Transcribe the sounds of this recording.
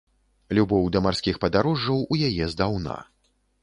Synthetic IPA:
lʲubɔwd̪ɐmarsʲkʲixpɐd̪aɾɔʐːɐwujajɛzd̪awna̰

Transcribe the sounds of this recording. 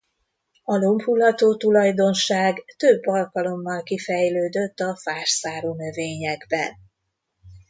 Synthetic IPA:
ɒlomphulɒt̪oːt̪ulɒjd̪o̞nʃaːɡt̪øbːɒlkɒlo̞mːɒlkifɛjløːd̪øt̪ːɒfaːʃsaːɾoːnø̞veːɲɛɡbɛ̰n

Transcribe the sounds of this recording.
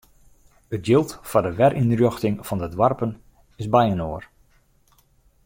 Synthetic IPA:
ət̚jɪlˠtfɔdəʋɛrʔinrjoxtɪŋfɑndədwarpən | ɪzbɛjənoər

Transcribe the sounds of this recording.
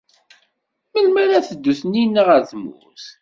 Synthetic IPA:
məlmæɾæθəd̪ːuθninːaʁəɾθmṵθ

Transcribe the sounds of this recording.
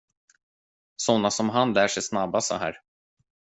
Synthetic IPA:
sɔnːasɔmɦanlæːʂɛjsnabːasɔ̰ɦæ̰ːɾ

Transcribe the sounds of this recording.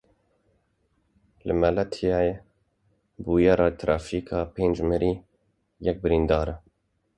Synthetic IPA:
lɨ̰mɛlɛt̪ʰjɑːje | buːjɛɾɑːt̪ʰɾʔɑːfiːkʰɑːpeːnd͡ʒməɾʔiː | jɛk̚bɨɾind̪ɑːɾɛ

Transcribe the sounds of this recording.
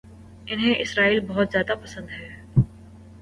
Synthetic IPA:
ɪnɦẽʔɪsɾaːiːlbɐɦʊt̪zjaːd̪apɐsə̃nd̪ɦɛː

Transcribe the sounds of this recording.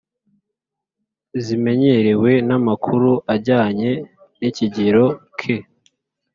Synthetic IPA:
zime̞ɲeɾewe̞namakʰuɾuʔaɾɟaːɲe̞ | niciɟiɾo̞kʰe

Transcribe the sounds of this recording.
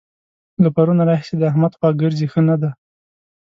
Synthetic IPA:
lapaɾunaɾɑɦɪsed̪əahmad̪xwɑɡəɾzexənad̪a

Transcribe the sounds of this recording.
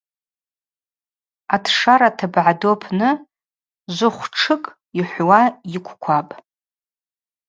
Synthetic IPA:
atʰʂaɾatʰabʕadopʰnɨ | zʷʊχʷʈ͡ʂʰɨkʼ | iħʷwajɪkʷʰkʷʰapʼ

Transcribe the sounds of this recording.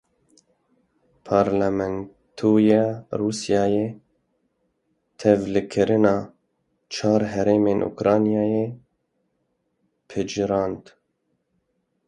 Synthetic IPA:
pʰɑːɾlɛmɛn | t̪ʰojɑrusijɑːje | t̪ʰɛvlɨkʰɪɾɪnɑː | t͡ʃʰɑːɾɦɛɾeːmeːnʔṵkɾɑːnijɑːje | pʰɨd͡ʒɾɑːnd̪

